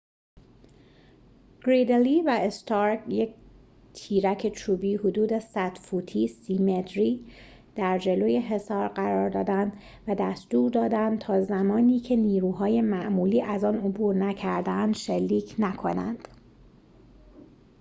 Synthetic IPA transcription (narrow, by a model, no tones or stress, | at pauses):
ɡ̥ɾid̪eliːvæest̪ʰɒɾkjec̚ | t̪ʰiːɾæcʰe̞t͡ʃʰuːbiːhod̪uːd̪e̞sæd̪̥fuːt̪ʰiːsimet̪ʰɾiː | d̪̥æɾd͡ʒe̞loːje̞ɦe̞sɒːɾɢæɾɒːɾd̪ɒːd̪ænd̪ | væd̪æst̪uːɾd̪ɒːd̪ænd̪t̪ʰɒːzæmɒːniːcʰe̞niːɾuːɦɒːje̞mæʔmuːliːʔæzɒːnobuːɾnæcʰæɾd̪ænd̪ʃelːiːcʰnækʰo̞nænd̪̥